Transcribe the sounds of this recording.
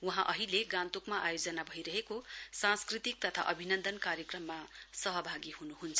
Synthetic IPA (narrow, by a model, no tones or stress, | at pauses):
wuɦãʔʌɦileɡãnt̪ukmaʔajod͡zʌnabʱʌiɾʌɦekosãnskrit̪ik̚t̪ʌt̪ʰa̰ʔʌbʱinʌnd̪ʌnkarjʌkrʌmːasʌɦʌbʱaɡiɦunuɦunt͡sʰʌ̥